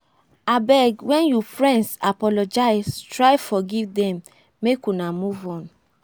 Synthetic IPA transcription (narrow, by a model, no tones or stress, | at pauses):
abɛɡwɛ̃njupɹɛ̃nsapɔlɔd͡ʒaɪstɹajfɔɡivdɛ̃mː | ekunamuvɔ̃n